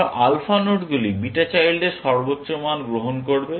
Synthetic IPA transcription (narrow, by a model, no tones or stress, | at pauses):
ʔalfanuʈɡulibiʈat͡ɕajlɖeɾʃɔɾbotːɕomanɡɾoɦonkoɾbe